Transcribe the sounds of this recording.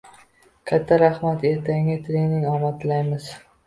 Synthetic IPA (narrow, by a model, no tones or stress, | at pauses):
kʲʰat̪ʰːaɾahmat̪e̞ɾt̪ʰaŋɪt̪ʰɪlɪnɪŋɒmat̪lajmɪz̥